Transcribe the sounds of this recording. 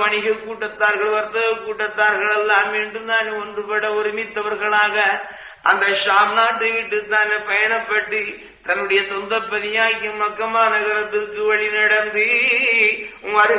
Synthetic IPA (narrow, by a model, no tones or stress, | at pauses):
ɐɳɪɣɐkːuːʈːɐt̪ːaːɾɣɐɭʋɐɾt̪ːɐɣɐkuːʈːɐt̪ːaːɾɣɐɭɛlːaːmʋeːɳɖɯnd̪aːniɔndrɯpɐɽɐɔɾɪmɪt̪ːɐʋɐɾɣɐɭaːɣɐ | ʔɐnd̪ɐʃaːmnaːʈːɯʋɪʈːɯt̪ːaːnepɐjɐɳɐpːɐʈːɯ | t̪ɐnːɯɽɐjɐsɔnd̪ɐpːɐðɪjaːkːɯmɐkːɐmaːnɐɣɐɾɐt̪ːɪrkɯʋɐɭɪnɐɽɐnd̪ɯ | ɐɾ